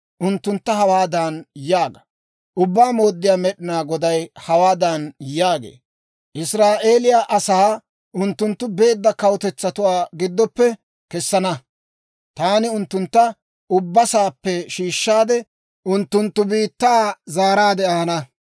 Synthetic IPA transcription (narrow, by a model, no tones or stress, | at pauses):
ʔʊnt̪ːʊnt̪ːɐɦɐwaːd̪anjaːɡɐ̥ | ʔʊbːaːmo̞ːd̪ːɪjaːmɛɗɪnaːɡɔd̪ɐjhɐwaːd̪anjaːɡḛː | ʔɪsɾaːʔe̞ːlɪjaʔɐsaː | ʔʊnt̪ːʊnt̪ːʊbe̞ːd̪ːɐkɐwʊt̪ɛt͡sːɐt̪ʊwaːɡɪd̪ːɔpːɛ | kɛsːɐnɐ | t̪aːnɪʊnt̪ːʊnt̪ːɐ | ʔʊbːɐsaːpːɛʃiːʃːaːd̪ɛ | ʔʊnt̪ːʊnt̪ːʊbiːt̪ːaːzaːɾaːd̪ɛʔaːnɐ